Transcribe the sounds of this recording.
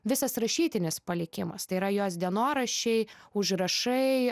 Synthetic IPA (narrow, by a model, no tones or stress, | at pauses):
ʋʲɪsɐsɾɐʃʲiːt̪ʲɪnʲɪspɐlʲɪkʲɪmɐ̰st̪ɐɪiɾɐjoːsd̪ʲiɛnoːɾɐʃʲɛɪʊʒɾɐʃɐɪ